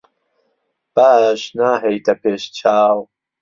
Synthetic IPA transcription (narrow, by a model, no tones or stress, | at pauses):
b̥aːʃnaːɦɛjt̪ʰɐpʰeːʃt͡ʃʰaːw